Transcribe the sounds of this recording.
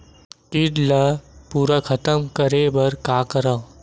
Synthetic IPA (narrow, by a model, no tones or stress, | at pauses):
kiɖləpuːɾakʰɐt̪əmkɐɾebɐɾkaːkəɾãː